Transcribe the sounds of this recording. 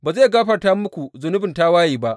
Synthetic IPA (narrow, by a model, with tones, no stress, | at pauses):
baː˨zaː˦˨ɡaː˦ɸɐ˨rtaː˦mʊ˦kʷu˨zʊ˨nʊ˦bɪ˨ntaː˦waː˦jiː˨ba˦ʔ